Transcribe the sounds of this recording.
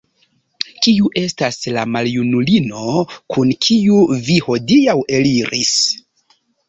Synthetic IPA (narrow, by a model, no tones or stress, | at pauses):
kiuʔe̞staslamaljunulino̞kʰunkʰiuviho̞diawe̞liɾḭs